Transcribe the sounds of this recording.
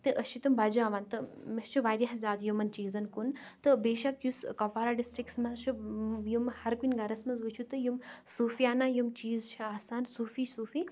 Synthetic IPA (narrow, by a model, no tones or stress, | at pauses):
t̪ɨʔɐʃit̪umbad͡ʒuaːʋaːnt̪ɨmɐst͡ʃʰuʋaːɾjɐɦzʲaːd̪jumɐnt͡ʃiːzɐnkunt̪ɨbeːʃɐkjuskɐfaːɾaːɖisʈɾikʈsmɐzt͡ʃʰujumhɐɾkunʲɡɐɾɐsmɐnzʋut͡ʃʰut̪ɨjumsuːfijaːnaːjumt͡ʃiːzt͡ʃʰiaːsaːnsuːfiːsuːfiː